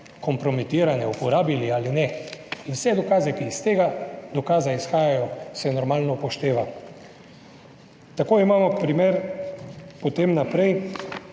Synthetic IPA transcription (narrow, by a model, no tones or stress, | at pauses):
kɔmpɾɔmit̪iːɾanjɛupɔɾaːbiliaːlinɛinwsɛd̪ɔkaːzɛkiːst̪eːɡad̪ɔkaːzaisxaːjajɔsɛnɔɾmaːlnɔpɔʃt̪eːʋa | t̪akoːimaːmɔpɾimeɾ | pɔt̪emnapɾɛj